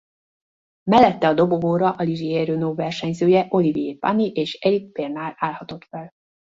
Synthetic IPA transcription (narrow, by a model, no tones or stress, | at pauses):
mɛlːɛt̪ːɛɒd̪o̞boboːɾɒʔɒliʒieːɾøːnoːvɛrʃɛɲzøːjɛʔo̞livieːpa̰niʔeːʃɛɾik̚peːrnaːlaːlhɒt̪o̞t̪fɛl